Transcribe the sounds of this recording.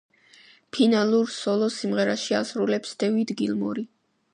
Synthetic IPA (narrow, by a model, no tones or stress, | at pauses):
pʰinalˠuɾsɔlˠɔsimʁɛɾaʃiasɾulɛpsd̪̥ɛvid̪ɡilmɔ̰ɾi